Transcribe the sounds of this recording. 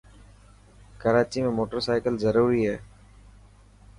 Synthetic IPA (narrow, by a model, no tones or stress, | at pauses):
kəɾaːt͡ʃimẽːmoːʈəɾsaːɪkəlzəɾuːɾiːɦɛː